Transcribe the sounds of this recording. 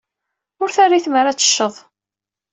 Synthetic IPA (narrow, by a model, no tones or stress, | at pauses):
ʊɾθarːiθməɾat͡sːə̥ʃːəðˤ